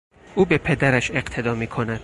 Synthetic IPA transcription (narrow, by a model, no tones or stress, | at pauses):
ʔuːbe̞pʰe̞d̪æɾæʃe̞qt̪ʰe̞d̪ɒːmiːkʰo̞næd̪̥